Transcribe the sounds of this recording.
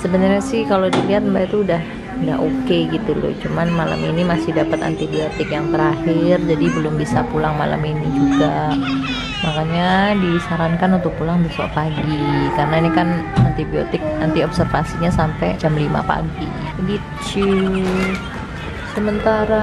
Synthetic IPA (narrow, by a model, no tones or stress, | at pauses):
səbənarɲasɪhkalodiliɦat̪̚mbait̪uudah | ŋɡa̰ʔokeɡit̪ulʊ̰t͡ʃumanmala̰minimasɪhdapat̪a̰nt̪ibiot̪ɪkjaŋt̪əɾahɪrd͡ʒadibəlʊmbisapulaŋma̰la̰minid͡ʒuɡa | makaɲadisaɾankanunt̪ʊk̚pulaŋbəsua̰ʔpaɡikaɾənainikana̰nt̪ibio̰t̪ɪk̚ant̪iɔbsərfasiɲasampɛt͡ʃamlima̰pa̰ɡibi | t͡ʃu | səmənt̪aɾa